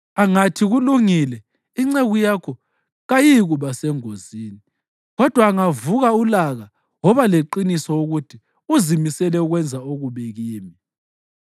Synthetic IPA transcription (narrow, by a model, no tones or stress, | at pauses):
aŋatʰiɣuluŋilɛ | iŋ͡ǀeɣujakʰɔ | ɣajiɣuβasɛŋoziːni | ɣɔd̥ʱwaːŋavuɣaulaɣa | wɔβaleǃinisɔwoɣutʰi | uzimisɛlɛuɣwɛnd͡zʱaoɣuβeɣiːmi